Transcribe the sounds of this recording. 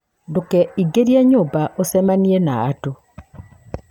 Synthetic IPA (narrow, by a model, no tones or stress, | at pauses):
dokɛiɡeɾiaɲobaʔosɛmaniena̰ato